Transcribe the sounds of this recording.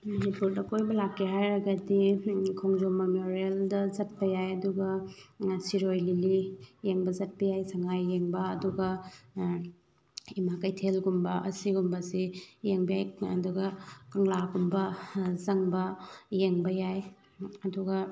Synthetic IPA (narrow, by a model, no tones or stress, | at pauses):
mɐnipuɾdɐkojbɐlakːiɦajɾɐɡɐdikʰoŋzomɐmoɾieldɐzɐt̚pɐjajɐduɡɐ | siɾojlilijeŋbɐzɐt̚pɐjajsɐŋajːeŋbɐːduɡɐ | imakɐjtʰelɡumbɐʔɐsiɡumbɐsijeŋbajɐ̰duɡɐkɐŋlaɡumbɐzɐŋbɐjeŋbɐjaj | ɐduɡɐ